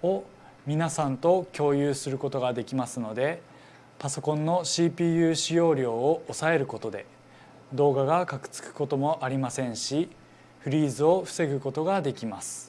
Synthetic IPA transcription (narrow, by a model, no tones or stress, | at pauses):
o̞ | mʲinasãnt̪o̞kʲo̞ːjɯːsɨɾɯ̟ko̞t̪o̞ɡad̪e̞kʲimasɨno̞d̪e̞ | paso̞kõ̞nːo̞ɕiːpʲiːjɯ̟ːɕijo̞ːɾʲjo̞ːʔːsae̞ɾɯ̟ko̞t̪o̞d̪e̞ | d̪o̞ːɡaɡakakɯ̟̥t͡sɨ̥kɯ̥ko̞t̪o̞mo̞ʔaɾʲimasẽ̞ɰ̃ɕi | ɸɯ̟ɾʲiːzɨo̞ɸɯ̟̥se̞ɡɯ̟ko̞t̪o̞ɡad̪e̞kʲimasɨ̥